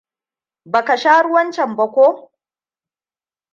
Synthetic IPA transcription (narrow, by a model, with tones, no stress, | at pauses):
ba˨ka˨ʃaː˦ɽʊ˦wɐ˦nt͡ʃɛ˨mbɐ˨kʷoː˦